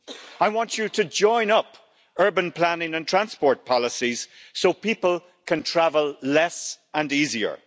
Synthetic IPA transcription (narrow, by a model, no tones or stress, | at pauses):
aɪwɑ̃nt͡ʃəɾəd͡ʒɔ̃ɪ̃nʌp | ɜ˞bə̃npʰl̥anɪ̃ŋə̃ntʰɹ̥ãnspɔɹt̚pʰɑləsiz̥soʊpipəlˠ | kʰə̃ntʰɹ̥avəlˠlɛs | ə̃niːziə̰˞